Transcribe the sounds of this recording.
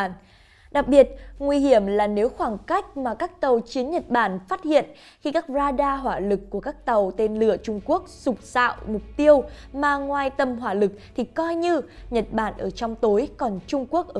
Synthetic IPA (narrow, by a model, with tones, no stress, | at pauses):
ɗa˨˩k̚ɓi˨˩ət̚ŋwi˧ɦi˧˩əmlaː˨˩ne˨˦wxwaː˧˩ŋka˦˥jk̟̚maː˨˩kaː˦˥k̚t̪ə˨˩wt͡ɕi˨˦ənɲə˨˩t̚ɓaː˧˩nfaː˦˥t̚hḭ˧˨ən | xi˧kaː˦˥k̚zaː˧ɗaː˧ɦwaː˧˩lɨ˨˩kːu˧˩əkaː˦˥k̚t̪ə˨˩wt̪e˧nlɨ̰˧˨ət͡ɕʊ˧ŋ͡mku˦˥ək̚zʊ˨˩k͡p̚sa̰ː˧˨wmʊ˨˩k͡p̚t̪i˧əwmaː˧˩ŋwaː˧jt̪ə˧mɦwaː˧˩lɨ˨˩k̚t̪ʰi˨˩kɔ˧jɲɨ˧ɲə˨˩t̚ɓa̰ː˧˩nʔəː˧˩t͡ɕɔ˧wŋ͡mt̪o˨˦jkɔ˨˩nt͡ɕʊ˧ŋ͡mku˦˥ək̚ʔəː˧